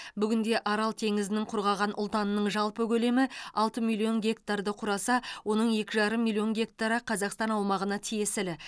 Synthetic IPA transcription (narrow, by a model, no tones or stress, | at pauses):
bʏɡʲɪnd̪e̞ʔɑɾɑlˠt̪ʰe̞ŋɪzɪnɪŋqʰʊɾʁɑʁɑnʔʊ̰lˠt̪ɑnənəɴʒɑlˠpəkʲɵle̞mɪɑlˠt̪əmilˠio̞nɡʲe̞k̚t̪aɾd̪əqʰʊɾɑsɑwo̞nəɴje̞kʲɪʒɑɾəmːilʲˠio̞nɡʲe̞k̚t̪aɾəqʰɑzɑqst̪ɑnɑwmɑʁənɑt̪ʰije̞sɪlɪ